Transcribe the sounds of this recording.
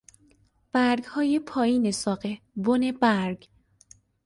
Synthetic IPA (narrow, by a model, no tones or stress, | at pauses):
b̥æɾɡhɒːjepʰɒːiːnesɒːɢe | bonebæɾɡ